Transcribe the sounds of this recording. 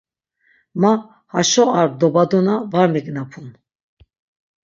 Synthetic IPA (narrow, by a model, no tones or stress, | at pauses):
ma | haʃɔaɾd̪ɔbad̪unavaɾmɛɡnapʰun